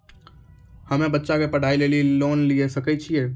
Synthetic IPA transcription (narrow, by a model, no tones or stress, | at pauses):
həmẽbətːʃakepəɽ̤ʱaileliloːnliesəkɛt͡ʃʰie